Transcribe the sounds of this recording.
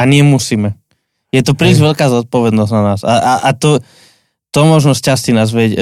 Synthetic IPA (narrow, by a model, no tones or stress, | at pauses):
aɲɪɛmusiːmɛ | jɛt̪ɔpɾiːzʋɛʎkaːzɔt̪̚pɔʋɛd̪nɔznanaːsaʔaʔat̪ɔ | t̪ɔmɔʒnɔscast̪inaːzʋɛɟ